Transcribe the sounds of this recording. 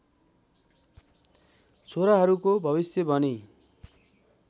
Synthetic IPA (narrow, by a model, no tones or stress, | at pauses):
t͡sʰoɾaɦʌɾukobʱʌβisjʌbʱʌni